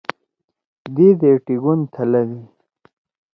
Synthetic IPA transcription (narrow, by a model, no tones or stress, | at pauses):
d̪id̪eʈiɡunt̪ʰalawi